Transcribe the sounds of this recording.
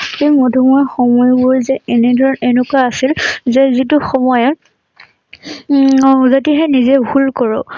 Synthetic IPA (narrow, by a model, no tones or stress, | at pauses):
xejmodʱumɔjxɔmɔjbʊɹzɛenɛdʱɔɹɔnenʊkaasilzɛzit̬ʊxɔmɔjɔt | zat̬iɦɛnizɛbʱulkɔɹɔ